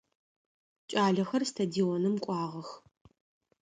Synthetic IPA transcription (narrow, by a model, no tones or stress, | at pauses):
t͡ʃʼaːɮɐxɐrstʰadionɨmkʷʼɑːʁɐx